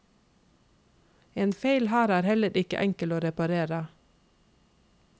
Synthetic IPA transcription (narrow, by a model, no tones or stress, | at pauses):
eːnfeɪlhæːɾæːɾhɛləɾʔɪkə̰ʔɛŋkəloːɾɛpɑɾeːɾə